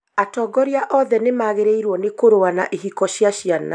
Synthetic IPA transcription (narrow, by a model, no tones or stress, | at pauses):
atɔːɡɔɾiaʔɔðɛnemaɣeɾeiɾwɔnekoɾoanaʔiɦikɔɕjaɕiana̰